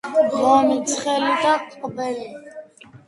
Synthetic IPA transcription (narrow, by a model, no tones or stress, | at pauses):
lɔmit̪sʰχɛlid̪aqʼqʼbɛli